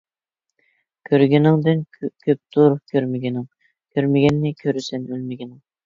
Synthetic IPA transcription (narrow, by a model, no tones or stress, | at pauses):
kʲʰøɾɡʲenɪŋd̪ɪnkʲʰøp̚t̪uːɾup̚kʲʰøɾmeɡʲenɪŋ | kʲʰøɾmeɡʲɛnːɪkʲʰøɾysɛnølmeɡʲenɪŋ